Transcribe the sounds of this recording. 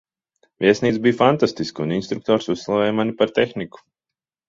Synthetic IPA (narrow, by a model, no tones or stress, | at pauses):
vʲiɛsniːt̪sbijfant̪ast̪iskuninst̪ɾuk̚t̪ɔːɾsuslˠavɛːjmanipaɾt̪exniku̥